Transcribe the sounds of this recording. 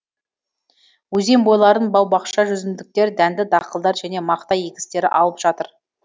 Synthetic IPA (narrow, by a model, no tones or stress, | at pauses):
wɵze̞mbo̞jlˠɑɾənbɑwbɑqʃɑʒʏzɪnd̪ɪk̚t̪e̞ɾd̪ænd̪ɪd̪ɑqəlˠd̪ɑɾʒæne̞mɑqt̪ɑje̞kʲɪ̥st̪e̞ɾɪ̰ʔɑlˠəpʒ̥ɑt̪əɾ